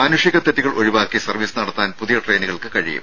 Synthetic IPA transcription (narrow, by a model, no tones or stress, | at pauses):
maːnuʂjɐɣɐt̪ːɐt̪ːiɣɐɭʔo̞ɻiʋaːkːisɐrʋisɨnɐɽɐt̪ːaːnpuðijɐʈreːniɣɐɭkɨkɐɻḭjṵm